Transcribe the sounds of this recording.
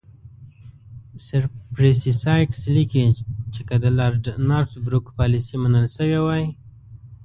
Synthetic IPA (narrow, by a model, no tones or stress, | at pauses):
sɪɾpɾesisɑjkslikit͡ʃekad̪əlɑɾɖnɑɾʈbɾukpɑlisimanəlʃəwewaj